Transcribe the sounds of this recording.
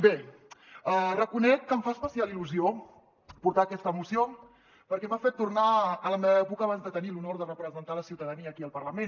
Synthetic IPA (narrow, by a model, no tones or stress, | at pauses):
be | ərəkunɛkːəɱfaəspəsialiluzio | puɾt̪aːkɛst̪əːmusio | pəɾkɛmafet̪ːurnaələmeβəɛpukəaːβ̞anzd̪ət̪ənilunoɾðərəpɾəzənt̪aləsiwt̪əðəniəːkiəlˠpərləmen